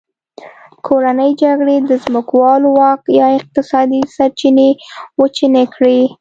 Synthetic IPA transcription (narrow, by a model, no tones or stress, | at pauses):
kʰoɾanəjd͡ʒaɡɽed̪əzmʊkwɑlowɑkjɑɪq̚t̪ɪsɑd̪isaɾt͡ʃinewət͡ʃinekɽi